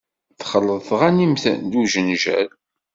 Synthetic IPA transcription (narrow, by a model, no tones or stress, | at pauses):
θχəlːəðˤθʁænimθæ̰nd̪uʒənʒæ̰l